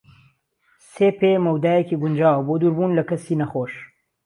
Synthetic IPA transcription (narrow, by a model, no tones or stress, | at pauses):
seːpemɐwd̪aːjekiːɡund͡ʒaːwɐboːd̪uɾbuːnlɐkɐsiːnɐxoːʃ